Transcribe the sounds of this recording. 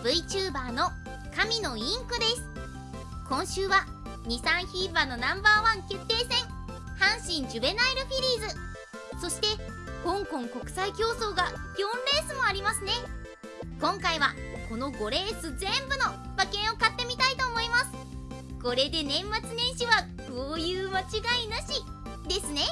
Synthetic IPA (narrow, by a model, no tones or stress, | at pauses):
b̥ɯ̟it͡ɕɨːbaːno̞ | kamʲino̞ĩŋkɯ̟d̪e̞sɨ̥ | kõ̞ɰ̃ɕɨːβa | ɲ̟isãɰ̃çiːbano̞nãmbaːβãŋke̞t̪ːe̞ːsẽ̞ŋ | hãɰ̃ɕĩɲ̟d͡ʑɨbe̞naiɾɯ̟ɸʲiɾʲiːzɨ | so̞ɕi̥t̪e̞ | kõ̞ŋkõ̞ŋko̞kɯ̟̥saikʲo̞ːso̞ːɡaɡ̥ʲõ̞nɾe̞ːsɨmo̞aɾʲimasɨne̞ | kõ̞ŋkaiβako̞no̞ɡo̞ɾe̞ːsɨzẽ̞mbɯ̟no̞ | bakẽ̞ɰ̃o̞kat̪ːe̞mʲit̪ait̪o̞ːmo̞imasɨ̥ | ko̞ɾe̞d̪e̞nẽ̞mːat͡sɨnẽ̞ɰ̃ɕiβakoːjɯ̟ːmat͡ɕiɡainaɕi | d̪e̞sɨne̞